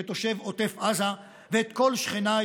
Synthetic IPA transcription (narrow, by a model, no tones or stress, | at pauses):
et̪oʃe̞vot̪efʔaza | veːt̪ko̞lʃχena